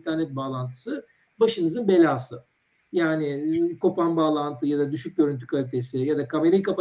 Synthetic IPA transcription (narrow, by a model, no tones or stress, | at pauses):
nt̪ʰæɾnɛt̪̚baːlˠant̪ʰɯ̥sɯ | baʃɯnɯzɯnbe̞lʲaːsɯ | jaːnɪkʰo̞panbaːlˠant̪ʰɯjad̪ad̪yʃyc̚ɟø̞ɾynt̪ʰy̥kʰalʲit̪ʰe̞sɪjad̪akʰameɾejkapa